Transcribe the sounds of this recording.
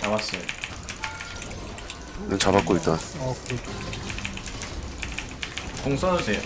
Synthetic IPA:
t͡ɕabas͈ʌjo | nent͡ɕabak͈̚oit̚t͈a | koŋsʰʌse

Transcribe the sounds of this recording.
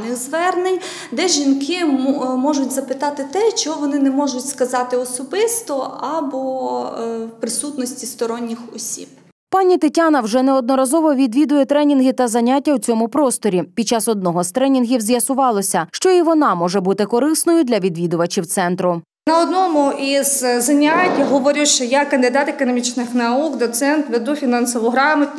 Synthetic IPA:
nɪxzʋɛrnɪj | d̪ɛʒʲinkɪmɔʒʊtʲzɐpɪt̪ɑt̪ɪt̪ɛt͡ʃɔɦɔʋɔnɪnɛmɔʒʊtʲskɐzɑt̪ɪɔsɔbɪst̪ɔɐbɔ | pɾɪsut̪nɔsʲtʲist̪ɔɾɔnʲːɪxɔsʲḭb̚ | pɑnʲit̪etʲanɐwʒɛnɛɔd̪nɔɾɐzɔʋɔʋʲid̪ʋʲid̪ʊjɛt̪ɾɛnʲinɦɪt̪ɐzɐnʲatʲːɐwt͡sʲɔmʊpɾɔst̪ɔɾʲipʲid̚t͡ʃɑsɔd̪nɔɦɔst̪ɾɛnʲinɦʲiwzʲjɐsʊʋɑlˠɔsʲɐʃt͡ʃɔiʋɔnɑmɔʒɛbut̪ɪkɔɾɪsnɔjʊd̪lʲɐʋʲid̪ʋʲid̪ʊʋɐt͡ʃiwt̪sɛnt̪ɾʊ | nɐɔd̪nɔmʊʔizzɐnʲatʲːɦɔʋɔɾʲɪʃt͡ʃɔjakɐnd̪ɪd̪ɑt̪ekɔnɔmʲit͡ʃnɪxnɐuɡd̪ɔt̪sɛnt̪ʋed̪ufʲinɑnsɔʋʊɦɾɑmɐt̪ʲ

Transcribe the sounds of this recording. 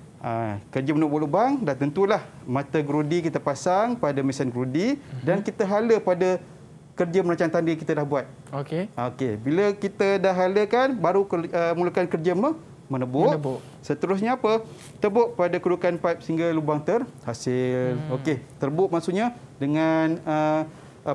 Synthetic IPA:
ʔəkərd͡ʒəmənəbʊʔlubaŋdat̪ənt̪ulahmãt̪əɡɾudikit̪apasaŋpadamisənɡɾudidankit̪əɦaləpadə | kərd͡ʒəməɾaɲt͡ʃaŋt̪andəkit̪adahbuat̪̚ | okeokebiləkit̪ədahɦaləkanbaɾukəməŋulukankərd͡ʒəmə | mənəbʊʔ | sət̪əɾʊs̬ɲaːpə | t̪əbʊʔpadakudukanpaip̚səiŋɡalubaŋt̪ərhasɪloket̪ərbʊʔ̚masuʔɲadəŋanə

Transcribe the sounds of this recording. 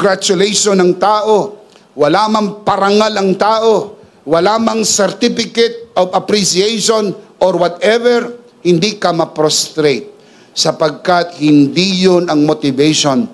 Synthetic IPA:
ɡɾat͡ʃʊlejʃonɐŋt̪aːʔo̞ | wɐlamɐŋpɐɾɐŋalɐŋt̪aːʔo̞ | wɐlaːmɐŋsɛɾt̪ifɪkɛt̪̚ovɐpɾisiejʃonʔoɾwɐt̪ɛvɛɹ | hɪnd̪ikɐmɐpɾost̪ɾejt̪̚ | sɐpɐɡ̚kat̪̚hɪnd̪ijonɐŋmot̪ɪvejʃon

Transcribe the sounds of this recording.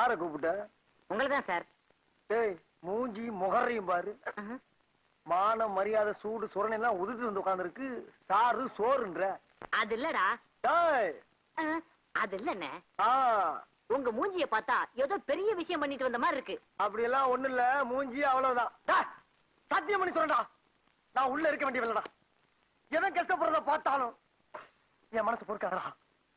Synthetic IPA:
saːɾɐkːuːp̬ːɯʈːɐ | ʊŋɡɐɭɐt̪ãːsaːɾ | t̪eːj | muːɲd͡ʒimɔɣɐɾɐjɯmpaːɾɯ | maːnɐmɐɾɪjaːðɐsuːʈːɯsɔɾɐnɐlːãːʊðɯt̪̬ːɯʋɐnd̪ɯʊkːaːnd̪ɪɾɯkːɯsaːɾɯsoːɾɯnɾɛ̃ː | ɐðɯɪlːɐɽaː | t̪aː | ɐðɯɪlːɛnːɐ̰aː | ɔŋɡɐmuːɲd͡ʒɪjɐpaːɾt̪ːãːeːðoːpɛɾɪjɐʋɪʂɐjɐ̃mpɐɳːɪʈːɯʋɐnd̪ɐmaːɪɾɯkːɯ | ɐpːɐɽɪjɛlːãːɔnːɪlːɐmuːɲd͡ʒɪjɐʋɐɭɐʋɯðãːd̪aː | sat̪̬ːɪjɐmɐɳnːisɔɾːɐɳɖaː | nãːʊɭːɐɪɾɯkːɐʋeːɳɖɪɐʋɛlːɐɽãː | ɛðɐ̃kɐʈːɐp̬ːɔɾɐðapaːɾt̪aːlʊ̃ | ɛ̃ːmɐnɐsɐpoːɾɯkːaːðɐɾaː

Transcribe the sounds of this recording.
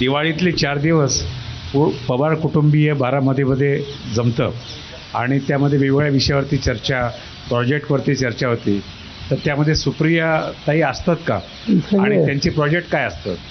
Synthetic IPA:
d̪iʋaɭit̪liːt͡ɕaɾd̪iʋəspupəbaɾkuʈumbijebaɾaməd̪ʱːjeməd̪ʱːjed͡zəmt̪ə̰ː | a̰ɽ̃it̪jaməd̪ʱːjeʋeʋɡɭjaʋiʂjaʋəɾt̪iːt͡ɕəɾt͡ɕa | pɾɔd͡ʑek̚ʈʋəɾt̪iːt͡ɕəɾt͡ɕaɦot̪ḭː | t̪əɾt̪jaməd̪ʱjesupɾijət̪aɦiːəst̪at̪ka̰ | səaɽit̪jaɲt͡ɕiːpɾɔd͡ʑek̚ʈkajəst̪a̰t̪

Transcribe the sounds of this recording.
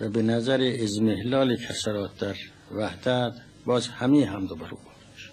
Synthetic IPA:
væbenæzæɾeːzmehlɒːlikʰæsæɾɒːt̪̚d̪æɾ | væhd̪æt̪ʰ | bɒːzhæmiɦæmd̪obæɾṵːbuf | ʃ

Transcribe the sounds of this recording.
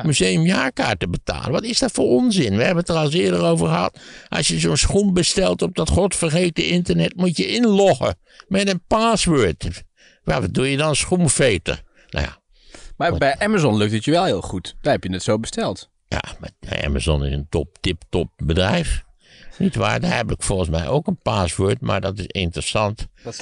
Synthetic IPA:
myzejəmjaːka̰ːɹtəbəta̰ːlˠəʋɔtɪsdɔtfoːronzɪnʋəhɛbəətərɑlˠsɪədərowvərxəhɑ̰tʔɑ̰sjəzoːnsxumbəstɛlˠtɔp̚dɔtχɔtfərxeːtəɪntərnɛtmutjəʔɪnlɔxə̰ | mɛdənpaːsʋøːt | ʋɛʋɔdujədɔnəsxumfeːtə̰r | na̰ja̰ | mabɛjʔɛmazɔnlɵk̚tətjəʋɛlˠhɪːlˠxutd̥aːɛpjənɛtsowbəstɛlˠt | ja̰mabɛ̰ʔɛ̰ma̰zɔnɪ̰səntɔp̚tɪptɔp̚bədrɛjf | nitʋa̰ːɹdahɛpɪkfɔlˠxəns̬mɛjʔoːkənpaːsʋøːtma̰ɹdɔtɪsɪntrəsɑnt

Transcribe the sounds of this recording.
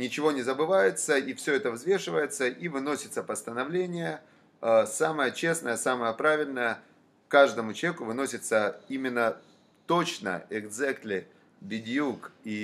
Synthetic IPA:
nʲɪt͡ɕɪvo̞nʲɪzəbɨvajɪt̪səifsʲɵɛt̪əvzvʲeʂɨvəjɪt̪səʔivɨno̞sʲɪt̪səpəst̪ənɐvlʲenʲɪjə | əsaməjət͡ɕe̞snəjəsaməjəpɾavʲɪlʲnəjə | kaʐd̪əmʊt͡ɕˠʲekʊvɨno̞sʲɪt̪səimʲɪnːə | t̪ot͡ɕnə̰ɛɡd̪zɛkt̪lʲɪ | bʲɪdʲjuki

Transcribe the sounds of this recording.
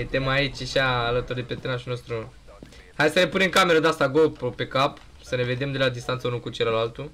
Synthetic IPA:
jet̪emait͡ʃʲaʃaːlət̪urd̪epet̪ɨnaʃuno̞st̪ɾu | hajd̪səne̞pune̞mkame̞ɾəd̪ast̪aɡopope̞kap | səne̞ve̞d̪e̞md̪e̞lad̪ist̪ant̪səunukut͡ʃe̞ləlalt̪u

